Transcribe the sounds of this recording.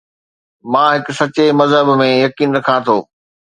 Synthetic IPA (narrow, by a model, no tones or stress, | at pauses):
mãːɦɪkʊsɐt͡ɕemɐzɦəbmẽjɐkiːnɾɐkʰãt̪ʰoː